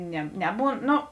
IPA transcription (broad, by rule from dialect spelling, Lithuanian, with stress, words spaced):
nʲɛ ˈnʲæːˌbuːn ˈnoː